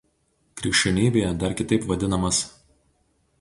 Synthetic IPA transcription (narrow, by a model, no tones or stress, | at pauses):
kɾʲɪkʃʲt͡ʃʲɛnʲiːbʲeːjɛd̪ɐɾkʲɪt̪ɐɪpʋɐd̪ʲɪnɐmɐs